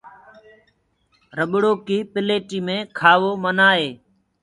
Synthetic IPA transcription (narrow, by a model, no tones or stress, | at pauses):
ɾəɓɽoːkiːpɪleːʈiːmẽːkʰaːʋoːmənaːɦeː